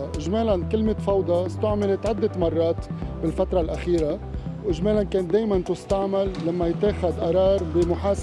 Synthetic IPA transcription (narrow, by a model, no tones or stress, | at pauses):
ʔɪʒmeːlankɪlmɪt̪fɑwd̪ˤɑst̪ʊʕmɪlɪt̪ʕad̪ːɪt̪mɑrˤːɑːt̪bɪlfat̪ɾˤɑlʔaxiːɾawʔɪʒmeːlankeːnd̪eːjmant̪ʊst̪aʕmalːamːajɪt̪ːeːxad̪ʔɑɾˤɑːɾˤbɪmʊħaːs